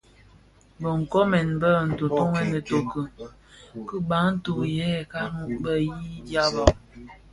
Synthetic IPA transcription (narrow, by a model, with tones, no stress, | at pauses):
bə˨ŋ̩˨kɔ˦mɛ˨nbə˦˨n̩˨tu˨to˦ŋɛ˦nə˨to˨kə˨ | kə˦ba˨˦n̩˦tu˨jɛ˦˨ka˦mu˦bə˦ji˦dja˦bɔ˦